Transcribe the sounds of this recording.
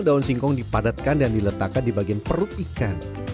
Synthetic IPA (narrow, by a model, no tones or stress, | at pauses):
daʊnsiŋkɔŋdipadat̪̚kandandilət̪akːandibaɡianpəɾʊt̪ikan